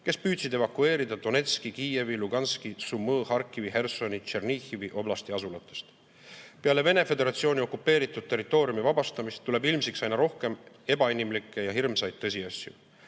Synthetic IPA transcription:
ke̞spyːd̪̥sid̪e̞vɑkue̞ːɾid̪̥ɑd̪̥o̞ne̞t̪skikiːje̞viluɡ̥ɑnskisumːɤːhɑrkːˑiviɦe̞rso̞nit͡ʃernixiviʔo̞blɑst̪iɑsulɑt̪ːˑest̪ | pe̞ɑle̞ve̞ne̞fe̞d̪e̞ɾɑt̪sio̞ːnʲio̞kːˑupːe̞ːɾit̪ːˑud̥̪̚t̪ːe̞rit̪ːˑo̞ːɾjumivɑb̥ɑst̪ɑmist̪ːule̞bilmsiksɑjnɑɾo̞hke̞m | e̞b̥ɑinimlikˑːe̞jɑɦirmsɑjd̪̚t̪ːɤs̬ʲiɑsʲjṵ

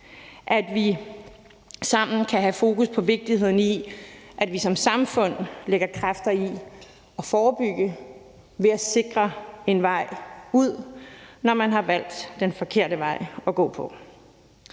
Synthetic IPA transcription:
ʔæd̥ʋi | sɑ̈m̰n̩kʰæɦæfo̝ːkuspʰɒ̽ʋe̝ɡ̥̚d̥ihe̝ð̰ˠn̩iʔæd̥ʋisɒ̽msɑ̈mfɔ̽n̰leɡ̥ɐkʰʁafd̥ɐi | ɒ̽fɒːb̥yɡ̥ə | ʋe̝æse̝ɡ̥ʁɐe̝nʋɑ̈ɪ̰uð̰ˠnɒmænɦɑ̈ʋæl̰d̥ːenfɒ̽kʰe̝ɐ̰ɾəʋɑ̈ɪ̰ɒ̽ɡ̥ɔ̰̽ːpʰɒ̽

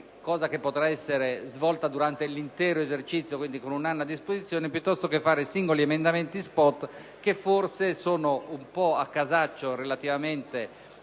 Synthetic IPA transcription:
kɔːzakepːot̪ɾaɛsːeɾezvɔlt̪ad̪uɾant̪elint̪ɛːɾoezert͡ʃit̪sjokwind̪ikonunanːad̪ːispozit̪sːjɔːnepjut̪ːɔst̪okefːaːɾesiŋɡoliemend̪ament̪ispɔt̪ː | kefːorsesoːnoumpɔakːazat͡ʃːorelat̪ivament̪e

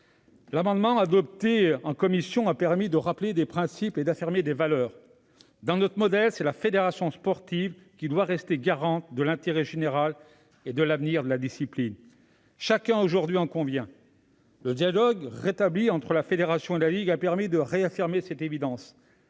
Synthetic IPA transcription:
lamɑ̃d̪mɑ̃ad̪ɔp̚t̪eɑ̃kɔmisjɔ̃apɛʁmid̪əʁapled̪epχɛ̃siped̪afiʁmed̪evalœːʁ | d̪ɑ̃nɔt̪χəmɔd̪ɛlsɛlafed̪eʁasjɔ̃spɔʁt̪iv | kʲid̪waʁɛst̪eɡaʁɑ̃t̪̚d̪əlɛ̃t̪eʁɛʒeneʁal | ed̪əlavniʁd̪əlad̪isiplin | ʃakʲɛ̃oʒuʁd̪ɥiɑ̃kɔ̃vjɛ̃ | ləd̪jalɔɡʁet̪abliɑ̃t̪χəlafed̪eʁasjɔ̃elaliɡapɛʁmid̪əʁeafiʁmesɛt̪evid̪ɑ̃s

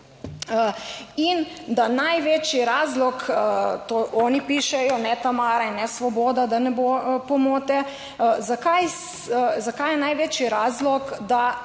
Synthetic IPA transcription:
ind̪anajʋeːt͡ʃiɾaːzlɔkt̪oɔːnipiʃɛjɔnɛt̪amaːɾainːɛsʋɔboːd̪ad̪anɛbopɔmoːt̪ɛ | zakaj | zakajɛnajʋeːt͡ʃiɾaːzlɔkd̪a

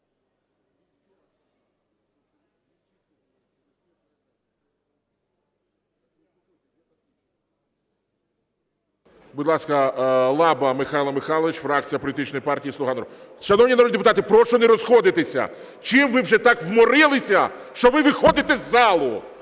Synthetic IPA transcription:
bud̪lˠɑskɐlˠɑbɐmɪxɑjlˠɐmɪxɑlˠɔʋit͡ʃfɾɑk̚t͡sʲijɐpɔlʲt̪ɪt͡ʃnɔjipɑrtʲijislˠʊɦɑnɾɔ | ʃɐnɔwnʲinɐɾɔd̪ʲnʲid̪pʊt̪ɑt̪ɪpɾɔʃt͡ʃɔnɛɾɔzxɔd̪ɪt̪esʲɐ̰ | t͡ʃɪmʋɪwʒɛt̪ɑkwmɔɾɪlˠɪsʲɐʃt͡ʃɔʋɪʋɪxɔd̪ɪt̪ɛzːɑlˠʊ

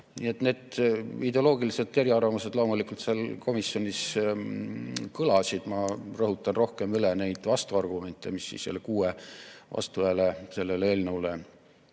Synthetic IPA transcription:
nḭet̪ne̞ːd̪id̪e̞olo̞ːɡiliset̪ːˑeɾiɑrvɑmuse̞d̪lo̞ːmulikult̪selko̞misːjo̞nis | kɤlɑsid̪̥mɑrɤɦut̪ːˑɑnro̞hke̞mylene̞jd̪̥vɑst̪uɑrɡ̥ume̞nʲt̪ˑːe̞misːḭsselːekuːevɑ̰st̪uvæːlese̞lːe̞leːlneule

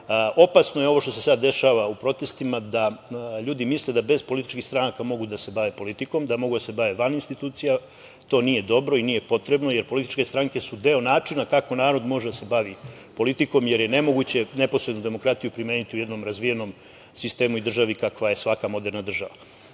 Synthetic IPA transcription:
o̞pasnojeo̞ʋo̞ʃt̪o̞se̞sad̪ːe̞ʃaʋaupɾo̞t̪e̞st̪imad̪aʎuːd̪imisle̞d̪abe̞zpolit̪i̥t͡ʃkixst̪ɾanakamo̞ɡud̪ase̞baʋe̞po̞lit̪iko̞md̪amo̞ɡud̪ase̞baʋe̞ʋaninst̪it̪uːt̪sija | t̪o̞ːnije̞d̪o̞bɾo̞inije̞po̞t̪ɾe̞bnoje̞ɾpo̞lit̪i̥t͡ʃke̞st̪ɾaŋke̞sud̪e̞o̞naːt͡ʂinakako̞naːɾo̞d̪mo̞ʒed̪ase̞baʋi | po̞lit̪iko̞mje̞ɾje̞ne̞mo̞ɡut͡ɕe̞ne̞po̞sɾed̪nud̪e̞mo̞kɾat̪ijupɾime̞ːnit̪iuje̞d̪no̞mɾazʋije̞no̞m | sist̪e̞ːmuid̪r̩ʒaʋikakʋaje̞sʋakamo̞d̪e̞ɾnad̪r̩ʒaʋa

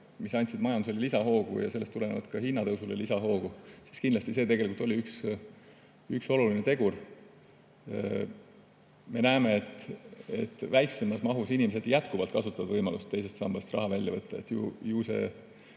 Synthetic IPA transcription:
misɑnʲt̪ʲsid̪mɑjɑnd̪uselilisɑɦo̞ːɡ̥ṵjɑ̰se̞lːest̪ule̞nḛvɑ̰d̪̥kɑhinːɑt̪ɤwsulḛlisɑɦo̞ːɡ̥usi̥skind̪lɑst̪ise̞t̪e̞ɡelikult̪ːˑo̞lʲiyks | ykso̞lulinet̪e̞ɡ̥ur | me̞næeme̞et̪ːˑe̞t̪ːˑvæjkse̞mɑsmɑɦusinʲimese̞d̪̥jæt̪kuvɑlt̪̚kɑsut̪ːˑɑvɑd̪vɤjmɑlṵst̪ːe̞js̬e̞st̪sɑmb̥ɑst̪rɑ̰ɦɑvælʲjɑvɤt̪ːɑet̪ːjṵjuːse̞̰

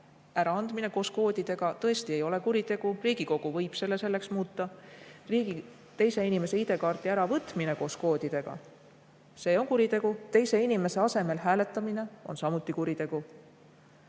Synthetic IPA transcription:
æɾɑɑnd̪̥mine̞ko̞ːsko̞ːd̪̥id̪̥e̞ɡ̥ɑt̪ɤ̞e̞st̪ie̞jo̞le̞kuɾit̪e̞ɡ̥uriːɡ̥iko̞ɡ̥uvɤjb̥se̞lːe̞se̞lːe̞ksmuːt̪ːˑɑriːi | t̪e̞jse̞inime̞se̞id̪e̞kɑːrt̪iæɾɑvɤt̪ˑmine̞ko̞ːsko̞ːd̪̥id̪e̞ɡ̥ɑ̰ | se̞ːo̞nkuɾit̪e̞ɡ̥ut̪e̞jse̞inime̞se̞ɑse̞me̞lɦæːle̞t̪ːˑɑmine̞o̞nsɑmut̪ːˑikuɾit̪e̞ɡ̥u

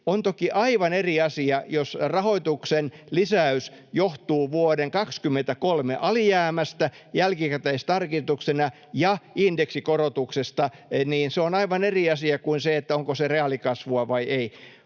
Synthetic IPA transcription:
ont̪okiʔɑiʋɑneriɑsiɑjosrɑhoit̪uksenlisæysjoht̪uːʋuodeŋkɑkskymːent̪ækolmeʔɑlijæːmæst̪æ | jælkikæt̪æist̪ɑrkist̪uksenɑ | jɑindeksikorot̪uksest̪ɑniːnseonɑiʋɑneriɑsiɑkuinseet̪ːæoŋkosereɑlikɑsʋuɑʋɑiʔei

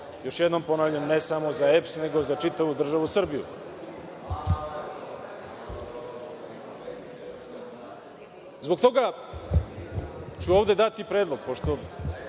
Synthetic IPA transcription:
jo̞ʃjed̪no̞mpo̞naːʋʎamnesamo̞zaepsne̞ɡo̞zat͡ʂit̪aʋud̪r̩ʒaʋusr̩bijṵ | zbok̚t̪o̞ɡa | t͡ɕuovd̪ed̪at̪ipɾeːd̪lˠo̞ɡ̚po̞ʃt̪o

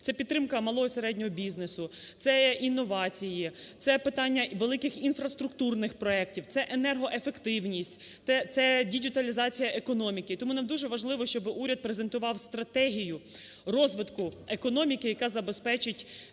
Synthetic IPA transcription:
t̪ɛpʲid̪ːɾɪmkɐmɐlˠɔɦɔseɾɛdʲnʲɔɦɔbʲiznesʊt̪sɛinːɔʋɑt͡sʲijit̪sɛpɪt̪ɑnʲːɐʋelˠɪkɪxinfɾɐst̪ɾʊkt̪urnɪxpɾɔɛk̚tʲiwt̪sɛʔenɛrɦɔʔefe̞kt̪ɪwnʲisʲt̪ʲ | ɛt̪sɛdʲid͡ʒit̪ɐlʲizɑt͡sʲijɐʔekɔnɔmʲikɪt̪ɔmunɐmd̪uʒɛʋɐʒlˠɪʋɔʃt͡ʃɔbɪʔuɾʲɐd̪̚pɾezent̪ʊʋɑwst̪ɾɐt̪ɛɦʲijʊ | rɔzʋɪt̪kʊekɔnɔmʲikɪjɐkɑzɐbespɛt͡ʃɪtʲ

